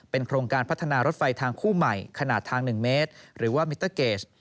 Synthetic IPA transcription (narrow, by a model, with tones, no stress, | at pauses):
pe˧nkʰɾoː˧ŋkaː˧npʰt̪ʰːa˧naː˧ɾo˦˥t̪̚fa˧jt̪ʰaː˧ŋkʰuː˥˩ma˨˩jkʰa˧naː˨˩t̪ʰːaː˧ŋnɯ˨˩ŋmeː˦˥t̪̚ɾɯː˩˦waː˥˩mi˦˥t̪ːəː˥˩keː˦˩t͡ɕ